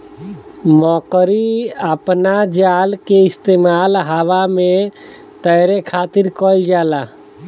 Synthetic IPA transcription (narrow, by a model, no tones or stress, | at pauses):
mɔːkɾiəpnad͡ʒaːlkeɪst̪eːmaːlɦaʋamẽ | t̪əjɾekʰaːt̪ɪɾkɔid͡ʒaːla